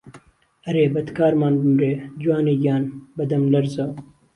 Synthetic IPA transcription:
ɐɾeːbɐd̪kaːɾmaːnbumɾeːd͡ʒwaːniːɡaːnbɐd̪ɐmlɐɾzaː

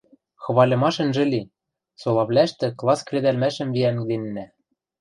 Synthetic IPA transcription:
xɤ̆βɑlʲɤ̆mɑʃɤ̆nʒɘ̆lʲi | solˠɑβlʲæʃt̪ɘ̆klˠɑskrʲed̪ælmæʃɘ̆mviænd̪enːæ

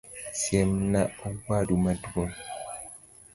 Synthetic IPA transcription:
sjemnawadumadwon

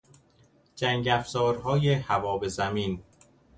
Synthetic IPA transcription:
d͡ʒæŋɡæfzɒːɾɦɒːjehævɒːbe̞zæmiːn

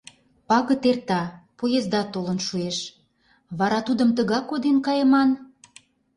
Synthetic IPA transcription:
pɑɣə̆t̪ert̪ɑpojezd̪ɑt̪olə̆nʃueʃ | βɑɾɑt̪ud̪ə̆mt̪əɣɑkod̪enkɑjəmɑn

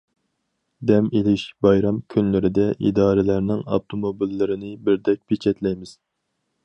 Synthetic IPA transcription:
d̪ɛmelɪʃbɑjɾɑmkʲʰynlɪɾɪd̪ɛʔḭd̪ɑːɾɪlæɾnɪŋɑ̰ft̪ʰomobilːɪɾɪnɪbɪɾd̪ɛk̚ʲpʰet͡ʃʰɛt̪lɛjmɪz̥

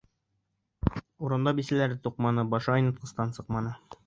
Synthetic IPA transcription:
uɾɤ̆md̪ɑbisælæɾɘt̪uq̚mɑnɤbɒʃɑojnɤ̆t̪̚qɤ̆st̪ɑnsɤqmɑnɤ

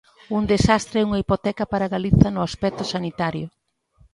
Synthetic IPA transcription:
uŋd̪esast̪ɾɛuŋɐipot̪ɛkɐpaɾaɣaliθɐnʊaspɛk̚t̪ʊsanit̪aɾjʊ

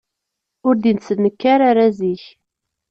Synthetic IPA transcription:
ʊɾd̪insənːəkːaɾaɾaziç

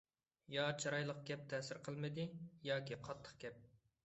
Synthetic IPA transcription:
jɑt͡ʃʰɑɾɑjlˠəqɡʲɛp̚t̪ʰɛːsɪɾqʰəlˠmɨd̪ɨjɑːkʲiqʰɑt̪ʰːə̥χɡʲɛp̚

